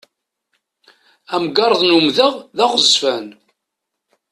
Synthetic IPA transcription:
æmɡɑɾˤəðˤnumðəʁðæʁəzfæn

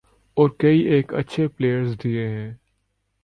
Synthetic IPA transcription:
ɔːɾkɐiʔeːkɐ̰tːʃʰepleːjəɾzd̪ieɦɛ̃ː

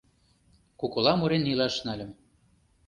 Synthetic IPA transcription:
kukɤ̆lɑmuɾenːilɑʃnælʲə̆m

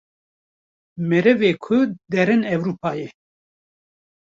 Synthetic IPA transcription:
mɛɾɛveːkʰʊd̪ɛɾɨnɛwɾuːpʰɑːjɛ

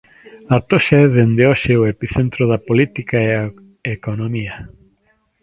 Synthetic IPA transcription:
at̪oʃaɛðend̪eoʃeoepiθent̪ɾoðɐpolit̪ikaea | ekonomiɐ

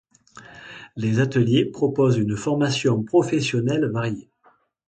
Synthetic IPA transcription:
lezat̪əljepχɔpɔzynfɔʁmasjɔ̃pχɔfɛsjɔnɛlvaʁje

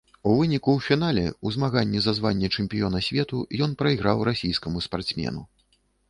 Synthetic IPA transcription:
uvɨnʲikuwfʲinalʲɛ̰uzmaɣanʲːɛzazvanʲːɛt͡ʂɨmpʲijɔnɐsʲvʲɛt̪ujɔn̪pɾɐiɣɾawɾasʲijskɐmuspart̪smʲɛ̰nu

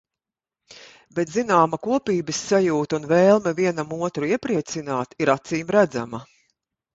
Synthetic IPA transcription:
bɛt̪zinaːmɐkuɔpiːbɐsːajuːt̪unvɛːlˠmɛviɛnamuɔt̪ɾuiɛpɾiɛt̪sinaːt̪iɾat̪siːmɾæd̪za̰mɐ

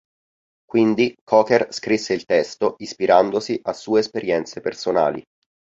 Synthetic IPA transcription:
kwind̪ikʰɔːkerskɾisːeilt̪ɛst̪oʔispiɾand̪osiʔasːuːeːspeɾjɛnt̪sepersona̰ːlḭ

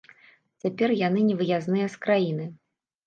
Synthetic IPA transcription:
t͡sʲapʲɛrjan̪ɨnʲɛvɨjaznɨjɐskɾajin̪ɨ

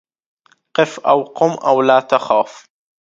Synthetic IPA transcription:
qɪfʔawqʊmʔa̰wlaːt̪axaːf

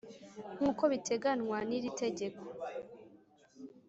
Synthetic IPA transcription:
ŋ̥uːko̞βitʰe̞ɡanŋwaniɾite̞ɟe̞kʰo̥

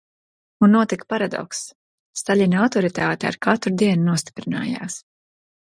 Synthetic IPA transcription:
unːuɔt̪ikpaɾad̪ɔ̰ksː | t̪aʎʲinawt̪ɔɾit̪aːt̪ɛa̰ɾkat̪ɾd̪iɛnnuɔst̪i̥pɾina̰ːja̰ːs

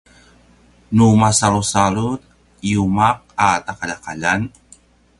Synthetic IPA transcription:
numasalusaɾut̪̚ | iumaq̚at̪akalakaʎan

